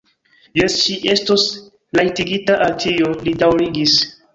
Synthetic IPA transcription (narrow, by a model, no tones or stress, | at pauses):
jesʃiʔe̞stos | lajtiɡitaʔaltʰiolidawɾiɡis